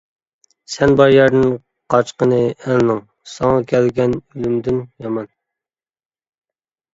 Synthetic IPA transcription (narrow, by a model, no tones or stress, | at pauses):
sɛnbɑɾjɛɾd̪ɪn | qʰɑt͡ʃqənɨɛlnɨŋ | sɑŋɑkʲʰɛlɡʲɛnylymd̪ɪnjɑmɑn